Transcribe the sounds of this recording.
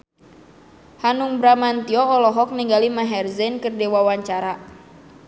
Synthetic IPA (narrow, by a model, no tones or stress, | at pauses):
hanuŋbɾamant̪iɔːlɔɦɔk̚niŋɡalimaɦɛrzɛnkərdewawaɲt͡ʃaɾa